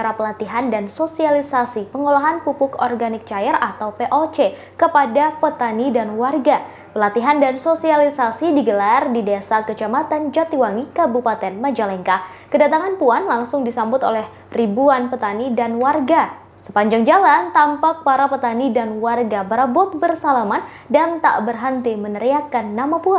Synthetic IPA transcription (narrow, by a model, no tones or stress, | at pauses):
aɾapəlat̪iɦandansosialisasipəŋolaɦanpupʊkɔrɡanɪk̚t͡ʃajərat̪awpeʔot͡ʃe | kəpadapət̪anidanwarɡa | pəlat̪iɦandansosialisasidiɡəlardidesakət͡ʃamat̪and͡ʒat̪iwaŋikabupat̪ɛnməd͡ʒalɛŋka | kədat̪aŋanpuanlaŋsʊŋdisambʊt̪o̰lɛh | ribuanpət̪anidanwarɡa | sə̥paɲd͡ʒaŋd͡ʒalant̪ampak̚paɾapət̪anidanwarɡabəɾabʊt̪̚bərsalaman | dant̪a̰ʔbərɦənt̪imənəɾiakanːamapuan